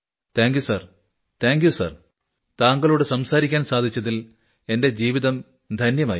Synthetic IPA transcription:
t̪ʰaːŋɡjusɐr | t̪ʰaːŋɡjusɐ̰r | t̪aːŋɡɐɭoːɽesɐmsaːɾikʲːaːnsaːd̪ʱit͡ɕːɐðil | e̞nde̞d͡ʑiːʋiðɐm | d̪ʱɐnjɐma̰ːji

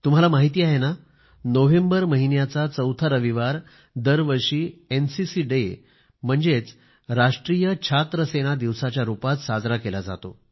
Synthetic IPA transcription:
t̪um̤alamaɦit̪iːaɦena | noʋembəɾməɦinjat͡sat͡səwt̪ʰaɾəʋiʋaɾ | d̪əɾʋəɾʂiːensisiːɖe | m̤əɳd͡zet͡s | ɾaʂʈɾijət͡ɕʰat̪ɾəseɽ̃ad̪iʋsat͡ɕjaɾupat̪sad͡zɾakelad͡za̰t̪o

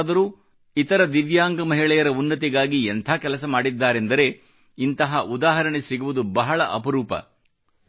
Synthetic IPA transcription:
d̪ɐɾuː | it̪ɐɾɐd̪iʋjaːŋɡɐmɐɦiɭɛjɐɾɐunːɐt̪iɡaːɡient̪ʰaːkɛlɐsɐmaːɽid̪ːaːɾe̞nd̪ɐɾe̞ | int̪ɐɦɐʔud̪aːɦɐɾɐɳesiɡuʋud̪ubɐɦɐɭɐʔɐpɐɾuːpɐ̰

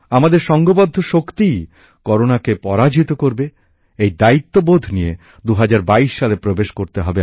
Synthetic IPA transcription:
amad̪eɾʃɔŋɡobod̪ʱːoʃokt̪ij | kɔɾonakepɔɾad͡ʑit̪okoɾbe | ejd̪ait̪ːobod̪ʱnije | d̪uɦad͡ʑaɾbaiʃːalepɾobeʃkoɾt̪eɦɔbe

